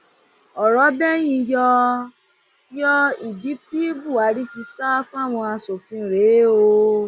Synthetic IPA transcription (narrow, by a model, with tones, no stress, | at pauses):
ɔ˨ɾɔ˨˦bɛ˦j̃ĩ˧jɔ˧ | jɔ˦i˨di˨˦ti˦bu˦˨a˨˦ɾi˦fi˧˦sa˦fa˦˨w̃ɔ̃˧a˧so˨fĩ˧˨ɾe˨˦o˧